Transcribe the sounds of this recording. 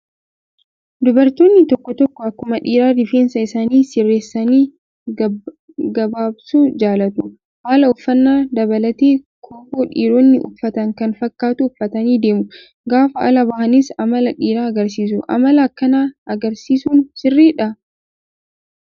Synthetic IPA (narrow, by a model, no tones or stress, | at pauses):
d̪ʊbɐɾt̪oːnːɪt̪ɔkːɔt̪ɔkːɔɐkːʊmɐᶑiːɾaːd̪ɪfeːnsɐɪsaːniːsɪrːeːsːɐniː | ɡɐbaːbsuːd͡ʒaːlɐt̪ʊ | haːlɐʊfːɐnːaːd̪ɐbɐlɐt̪eː | kʰoːboːᶑḭːɾoːnːɪʔʊ̰fːɐt̪ɐŋkɐnfɐkːaːt̪ʊʊfːɐt̪ɐniːd̪e̞ːmʊ | ɡaːfɐʔɐ̰lɐbɐhɐnɪsɐmɐlɐᶑiːɾaːɐɡɐɾs̬iːs̬ʊʔɐ̰mɐlɐːkːɐnaːɐɡɐɾsiːsuːnsɪrːiːᶑɐ